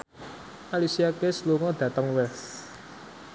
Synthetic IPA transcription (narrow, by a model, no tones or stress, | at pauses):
ʔalisiakesluŋɔd̪̥ä̤t̪əŋwɛs